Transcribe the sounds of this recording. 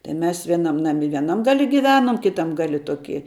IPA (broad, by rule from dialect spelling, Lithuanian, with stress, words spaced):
tɐɪ mʲɛs ʋʲiɛˈnɐm nɐˈmʲɪ ʋʲiɛˈnɐm ɡɐˈlʲɪ ɡʲɪˈʋʲæːnoːm kʲɪˈtɐm ˈɡɑːlʲɪ ˈtoːkʲɪ